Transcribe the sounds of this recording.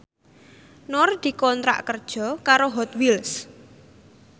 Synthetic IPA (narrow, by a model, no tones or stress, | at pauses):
nɔrd̪̥i̤kɔnt̪ɾa̰ʔkərd̥ʒ̥ɔ̤kaɾoɦɔt̪wils